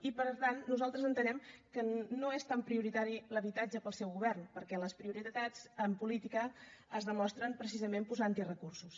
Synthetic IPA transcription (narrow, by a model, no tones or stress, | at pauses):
ipəɾt̪anːuzalˠt̪ɾəzənt̪ənɛmkənoest̪ampɾiuɾit̪aɾiləβit̪ad͡ʒəpəlˠsɛwɣuβɛrnpəɾkɛləspɾiuɾit̪ad͡zəmpulit̪ikəːzðəmɔst̪ɾəmpɾəsizəmempuzaant̪irəkursus